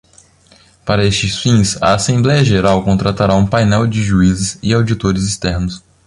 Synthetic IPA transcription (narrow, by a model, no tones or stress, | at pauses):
paɾɐest͡ʃɪsfĩsɐ̰ːsẽmblɛjɐʒeɾawkõnt̪ɾat̪aɾaũpajnɛwd͡ʒɪʒuizɪsɪawd͡ʒit̪oɾɪzɪst̪ɛɾnʊs